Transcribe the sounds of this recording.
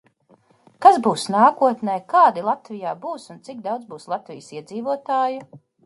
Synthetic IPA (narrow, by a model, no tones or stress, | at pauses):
kazbuːsnaːkuɔt̪nɛjkaːd̪ilˠat̪vijaːbuːsunt̪sik̚d̪awd̪zbuːslˠat̪vḭjsiɛd̪ziːvuɔt̪aːju